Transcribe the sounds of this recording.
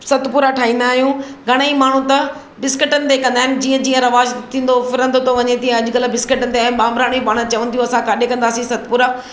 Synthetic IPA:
sɐt̪puːɾaʈʰaːɦĩːnd̪aːɦijũɡʱɐɽ̃imaːɳ̤ũt̪ɐ | bɪskəʈənɪ̆t̪ekɐ̃nd̪aːɦɪnɪ̆d͡ʑiːə̃d͡ʑiːə̃ɾɐʋaːʃt̪ʰːĩːn̆d̪ofɪɾə̃nd̪ot̪oʋɐɲet̪iːə̃ɐʄʊkɐlbɪskəʈənɪ̆t̪eaːnɓãːmbɾaːɽ̃ĩpaːɽ̃ə̃t͡ɕɐʋə̃n̆d̪iũɐsãkaːɗekɐ̃nd̪aːsĩsɐt̪puːɾa

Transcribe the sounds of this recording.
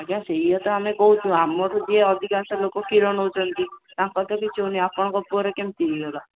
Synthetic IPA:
akjãseɦiɔt̪ɔamekɔɦut͡ʃʰũamɔɾud͡ʒieɔd̪ʱikãnsɔlokɔkiɾɔnɔɦut͡ʃʰɔnt̪it̪ãkɔt̪ɔkit͡ʃʰoniapɔɽ̃ɔkɔpuɔɾekemt̪iiɡɔla

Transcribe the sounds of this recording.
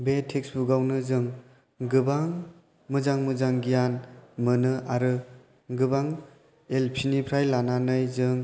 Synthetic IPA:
betʰeksbuɡawnɯzɯŋ | ɡɯbaŋ | mɯzaŋmɯzaŋɡijanmɯnɯaɾɯ | ɡɯbaŋ | elpʰinipʰɾajlananɯjzɯŋ

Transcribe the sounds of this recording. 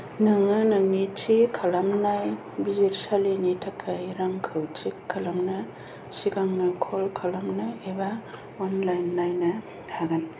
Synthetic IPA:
nɯŋɯnɯŋit͡ʃʰikʰalamnaj | biziɾsalinitʰakʰːaiɾaŋkʰɯwt͡ʃʰikʰːalamnɯ | sikaŋnɯkʰɔlkʰalamnɯeba | ɔnlajnːajna | tʰaɡan

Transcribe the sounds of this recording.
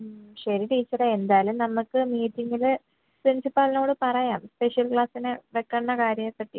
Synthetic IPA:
ɕɐɾiʈiːt͡ɕːɐreend̪aːlumnɐmːukːɨmiːtːiŋɡil | sinsipːaːlno̞ːɽɨpɐrɐjaːmspe̞ʂjɐlkɭaːsinɨʋekːɐnːɐkaːɾjɐmepːɐʈːijṵ

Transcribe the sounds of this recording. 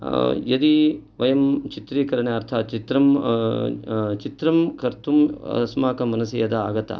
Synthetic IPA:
jɐd̪iʋɐjɐmt͡ʃit̪ɾiːkɐɾɐɳeɐɾt̪ʰaːt͡ʃit̪ɾɐm | t͡ʃit̪ɾɐmkɐɾt̪umɐ̰smaːkɐmɐnɐsijɐd̪ɐa̰ːɡɐt̪ɐ̰

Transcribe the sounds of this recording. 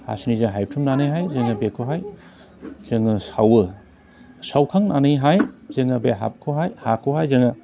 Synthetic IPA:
a̰sinizɯɦajtʰumnanɯjɦajzɯŋɯbekʰoɦaj | z̥ɯŋɯsawɯ | sawkʰaŋnʔa̰nɯjɦajzeŋɐbeɦa̰p̚kʰoɦajhakʰɯɦajzɯŋɯ

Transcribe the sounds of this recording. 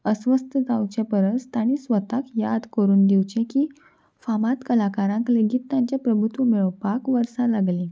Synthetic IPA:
əsʋəst̪ʰəd̪awt͡ɕepəɾəst̪aɽ̃isʋət̪akjad̪kəɾuːnd̪iwt͡ɕẽkiː | famat̪kəlakaɾãŋkleɡiːt̪ːjãɲt͡ɕjapɾəbʱut̪umiɭʋpakʋəɾsalaɡlĩ

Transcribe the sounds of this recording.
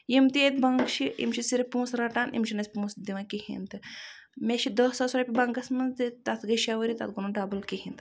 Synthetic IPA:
jimt̪eːt̪bɐŋɡʃiʔḭmt͡ʃʰisiɾipũːsɾɐʈaːnḭmʃʰinɐsʲpũːsd̪iʋãkihḭ̃nt̪ɨmʲeʃid̪osɐsuɾɐpʲibɐŋɡɐsmɐnt̪ɨt̪at̪ʰɡɐʃɐʋɐɾit̪ɐ̰t̪̚ɡunuɖaːbɐlkihint̪ɨ

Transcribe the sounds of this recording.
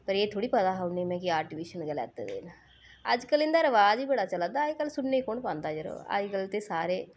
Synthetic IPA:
pɐɾeːt̪ʰuːɽipɐd̪aːɦɐʋnemẽk̬iaːʈiʋiʃɐnɡɐlɛ̰ːt̪ːɐ̰d̪ḛn | a̰d͡ʒkɐlind̪aɾɐʋaːd͡ʒibeːɽat͡ʃɐlad̪aːjkɐlsunːejkoɳɖpɐnt̪aːd͡ʒɐɾo̰ːa̰d͡ʒikɐlt̪esaːɾe

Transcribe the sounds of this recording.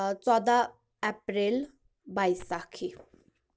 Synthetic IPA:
t͡sɔd̪a | epɾel | bajsakʰi

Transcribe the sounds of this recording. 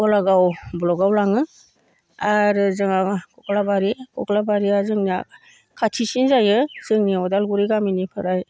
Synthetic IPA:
ɔlaɡawblɔɡawlaŋɯ | aɾɯzɯŋakʰɔkʰlabaɾikʰɔklabaɾiazɯŋnia | kʰatʰisinzajɯzɯŋniɔdalɡuɾiɡaminipʰɯɾaj

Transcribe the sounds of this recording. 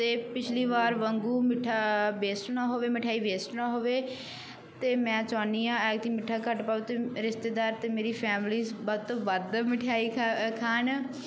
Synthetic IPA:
t̪eːpɪt͡ʃʰliːʋaːɾʋəŋɡuːmɪʈʰːaːbeːsʈnaːɦoːʋeːmɪʈʰaːiːʋeːsʈnaːɦoːʋeː | t̪eːmɛ̃ːt͡ʃaːniːãːɛːɡ̚t̪iːmɪʈʰːaːkəʈpaːut̪eːɾɪst̪eːd̪aːɾt̪eːmeːɾiːpʰɛːmliːsbɔt̪oʋəd̪mɪʈʰaːiːkʰaːn

